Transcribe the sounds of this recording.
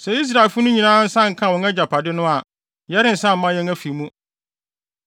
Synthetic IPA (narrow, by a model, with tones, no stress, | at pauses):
sɛ˨i˦s̬ɾa˨e˨lfʊ˦nʊ̃˦ɲĩ˨nãː˦n̩˦sã˦ŋ̩˨kʰã˦˨wɔ̃˨ŋɛ˦d͡ʑa˨pʰa˨dɪ˦nʊ̃˦a˨ | jɛ˦ɾɪ̃˦n̩˨sã˦m̩˨mã˦jɛ˦ŋæ˦fi˨mũ˦